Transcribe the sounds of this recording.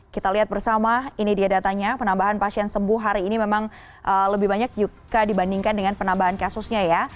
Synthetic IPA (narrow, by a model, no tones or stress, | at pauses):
kit̪aliɦat̪̚bərsamainidiadat̪aɲapənambaɦanpasiɛnsəbʊɦɦaɾiːnimemaŋ | ʔələbɪɦbaɲak̚d͡ʒu | ɡadibandiŋkandəŋanpənambaɦankasusɲaja